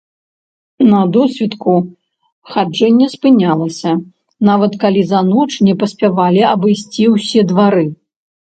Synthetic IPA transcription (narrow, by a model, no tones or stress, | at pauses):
nɐd̪ɔsʲvʲit̪ku | xad͡ʐɛnʲːɛspɨnʲalˠɐsʲɐ | navɐt̪kalʲizɐnɔt͡ʂnʲɛpɐsʲpʲavalʲiɐbɨjsʲt͡sʲiwsʲɛd̪vaɾɨ